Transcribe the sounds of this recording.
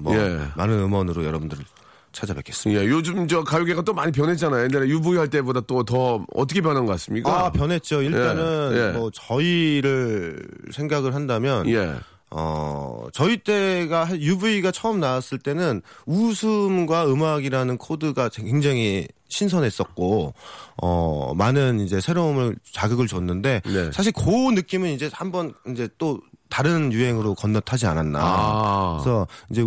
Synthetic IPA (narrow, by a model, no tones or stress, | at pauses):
mʌemanɯnɯmʌnɯɾojʌɾʌbɯndɯɾɯɭ | t͡ɕʰad͡ʑabakʰe̥s͈ɯ̥mje̞jod͡ʑumd͡ʑʌkajoɡeɡat͈omaɲip̬jʌnɦet̚t͡ɕ͈anajojenanejubuiaɭt͈e̞bodat͈otʌʌtʰʌkʰepjʌnɦanɡʌk͈as͈ɯmɲik͈apjʌnɦe̞t̚t͡ɕ͈oiɭt͈anɯnemʌt͡ɕʌiɾɯɭsʰe̞ŋɡaɡɯɭɦandamjʌnjḛ | ʌ̰t͡ɕʌit͈e̞ɡaɦajubuiɡat͡ɕʰʌɯmnaas͈ɯɭt͈e̞nɯnusʰɯmɡwaɯmaɡiɾanɯnkʰodɯɡakekweŋd͡ʑaŋiɕʰinsʰʌnɦe̞s͈ʌk̚k͈o | ʌ̰manɯnid͡ʑe̞sʰe̞ɾomɯɭt͡ɕaɡɯɡɯɭt͡ɕonːɯnde̞nesʰaɕ̬ʰiɭkonɯk͈imɯnid͡ʑe̞hambʌnind͡ʑe̞t͈otaɾɯnjuɦe̞ŋɯɾokʌnːʌtʰad͡ʑia̰nanːa̰ | sʰʌind͡ʑe̞